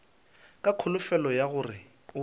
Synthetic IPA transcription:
kʼakʰʊlʊfɛlɔjaɣʊrɪ | ʊ

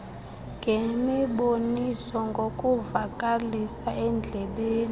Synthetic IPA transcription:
ŋɡʱemiɓonisɔŋɡʱokʼuvakʼalisaɛnd͡ɮʱɛɓeːni

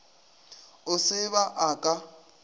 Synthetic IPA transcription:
ʊsɪβaʔakʼa

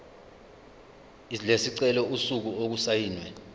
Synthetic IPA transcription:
ilesiǀɛlɔusuk̬uok̬usajiːnwɛ

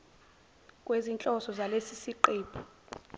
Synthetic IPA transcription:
kʼwezint͡ɬʼɔsɔzalesisiǃiːpʰɔ̥

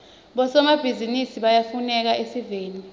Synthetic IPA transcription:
ɓɔsɔmab̥ʱizinisiɓajafunɛk̬aʔesiveːni

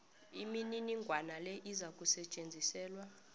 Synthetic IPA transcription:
imininiŋɡʱwanalɛʔizakʼusɛt͡ʃʼend͡zʱisɛːlwa

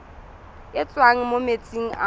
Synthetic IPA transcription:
ɪt͡sʼwaŋ̩momet͡sʼiŋ̩ʔa̰

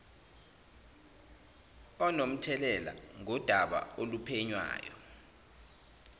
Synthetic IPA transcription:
ɔnom̩tʰɛlɛla̰ŋɔd̥ʱaɓa̰olupʰeɲwa̰ːjɔ̰

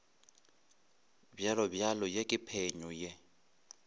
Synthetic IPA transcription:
bjalɔbjalɔjekʼɪpʰeɲɔje

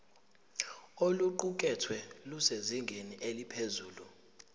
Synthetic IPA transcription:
oluǃuk̬ʼɛtʰwɛluseziŋɡʱeniʔelipʰezuːlu

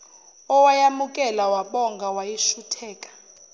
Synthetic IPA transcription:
ɔwajamukʼɛlawaɓɔŋɡʱawajiʃutʰɛːkʼḁ

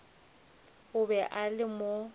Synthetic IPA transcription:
ʊbɛʔalɪmo

